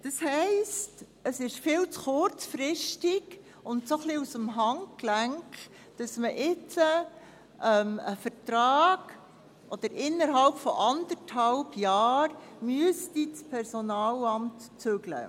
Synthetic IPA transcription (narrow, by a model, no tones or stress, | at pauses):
d̥ɑshɛɪst | əsɪʃfɪlt͡sχʊɾt͡sfɾɪʃtiɡ | ʊntsoχliusəmɦɑŋklæŋk | d̥ɑsməʔɪt͡sə | ʔɛməfətɾɑːɡ̥ | ʔɔd̪̥əɾʔɪnːəɾɦɑlpfɔ̰ʔɑndəɾthɑlbjɑːɾmyəstit͡spʰɛɾsɔnɑːlɑmt | t͡søɡlə̰